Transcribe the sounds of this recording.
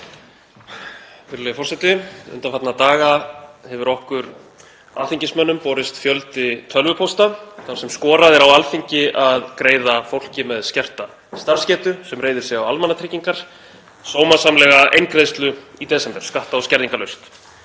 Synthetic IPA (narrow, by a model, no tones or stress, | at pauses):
fɪɾlɛɪfɔrsɛt̪ɪʏ̰nt̪afat̪nat̪aːɣahɛvʏɾɔhkʏɾ | a̰ːθiɲcɪsmœnːʏmpɔːɾɪst̪fjœlt̪ɪt̪ʰœlvʏpʰowst̪aθaɾ̥sɛmskɔːɾaðɛɾawalfiɲcɪʔaðkɾeːjðafowl̥cɪmɛðscɛr̥t̪a | st̪aɾ̥scɛːt̪ʏsɛmreːjðɪ̥sɛɣawalmanːat̪ʰɾɪcːiŋkaɾ̥ | soːwmasamlɛɣaʔejnkɾeðst̪lʏit̪ɛːsɛmp̪ɛ̥skaht̪aɔscɛɾðiŋkalœɥst̪